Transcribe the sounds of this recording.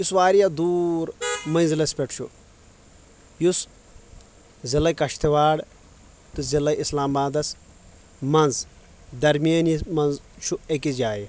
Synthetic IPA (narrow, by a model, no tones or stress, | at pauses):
jusʋaːɾijad̪uːɾmɐnzilɐspʲeʈt͡ʃʰṵ | jus | zilɐjkɐʃt̪ʰiʋaːɽ | t̪ɨzilɐislaːmbaːd̪ɐs | mɐnz | d̪ɐɾmijɐnimɐnzt͡ʃʰuekizʲjaːji